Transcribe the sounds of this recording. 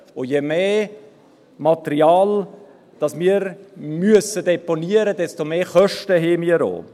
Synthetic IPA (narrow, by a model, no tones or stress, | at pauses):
ʊjemeː | mɑt̪əɾiɑːl | d̪̥ɑsmiːəɾmyəsəd̪eponiəɾədɛstomeːχœʃtəɦeːmiəɾo̰ː